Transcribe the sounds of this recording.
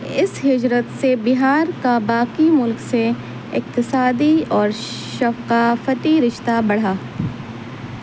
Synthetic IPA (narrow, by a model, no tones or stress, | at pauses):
ɪsɦɪd͡ʒɾət̪sebɪɦaːɾkabaːkimʊlkse | ɪq̚t̪ɪsaːd̪iɔːɾ | ʃɐfqaːfəʈ̪iɾɪʃt̪abɐɽ̤aː